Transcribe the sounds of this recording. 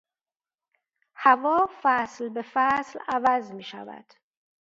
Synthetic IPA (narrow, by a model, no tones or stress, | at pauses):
hævɒːfæslbefæslævæzmiːʃæ̰væ̰d̪̥